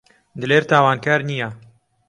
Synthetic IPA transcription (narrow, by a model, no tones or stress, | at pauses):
d̪ɨleːɾt̪ʰaːwaːnkaːɾnija